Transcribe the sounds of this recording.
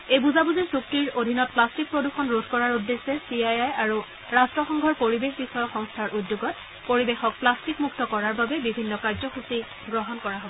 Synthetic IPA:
ejbuzabuzisuk̚tiɹodʱinɔt̚plastik̚pɹoduxɔnɹodʱkɔɹaɹudːesɛsiajajaɹu | ɹastɹɔxɔŋɡʱɔɹpoɹibexbixɔjɔkxɔŋstʰaɹʔudːjoɡɔt̚ | poɹibexɔk̚plastikmuktɔkɔɹaɹbabɛbibʱinːɔkaɹzɔxusi | ɡɹɔɦɔnkɔɹaɦɔbɔ

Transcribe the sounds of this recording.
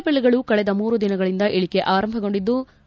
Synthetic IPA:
pelːiɡɐɭukɐɭɛd̪ɐmuːɾud̪inɐɡɐɭind̪ɐʔeɭike̞ʔaːɾɐmbʱɐɡo̞ɳɖid̪ːu

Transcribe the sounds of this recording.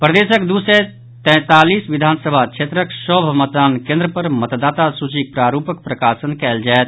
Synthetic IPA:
pɾəd̪eːʃəkd̪uːse | t̪ɛ̃ːt̪aːliːsʋɪd̪ʱaːnsəbʱakt͡ʃʰeːt̪ɾəksɔːbʱmət̪d̪aːnkẽːnd̪ɾəpəɾmət̪d̪aːt̪asud͡ʒik̚pɾaːɾuːpək̚pɾəkaːʃənkɛːld͡ʒaɛt̪

